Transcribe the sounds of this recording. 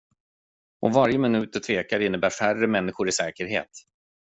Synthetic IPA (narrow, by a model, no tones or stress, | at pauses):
ɔ̰vaɾjəmɪnʉ̟ːt̪ːəʈʰveːkaɾɪnːəbæːɾfærəmɛnːɪɧʊɾɪsɛːkəɾɦḛːt̪